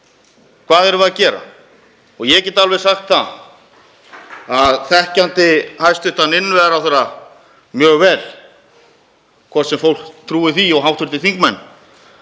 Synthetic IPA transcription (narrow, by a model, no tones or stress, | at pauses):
kʰv̥aːðɛɾʏvaacɛːɾa̰ | ɔɣjɛcɛɾt̪alvɛsaxt̪θa | aðθɛhcant̪ɪhajst̪ʏht̪anɪnːvɛɾawθɛɾa | mjœːɣvɛːl | kʰvɔr̥t̪sɛmfowl̥kt̪ʰɾuːɪθiɔɣɦawht̪vʏɾt̪ɪθiŋkmɛnː